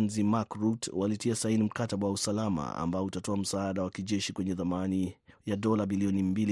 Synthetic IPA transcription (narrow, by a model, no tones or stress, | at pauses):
nzimakɾutwalitiasainim̩kataɓawausalama̰a̰mbaɔutatɔam̩saaɗawakiʄɛʃikwɛɲɛðamanijaɗɔlabiliɔnimbili